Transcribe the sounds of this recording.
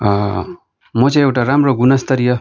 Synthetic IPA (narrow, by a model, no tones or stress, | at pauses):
mʌt͡sãj̃ewʈaɾamroɡunʌst̪ʌɾijʌ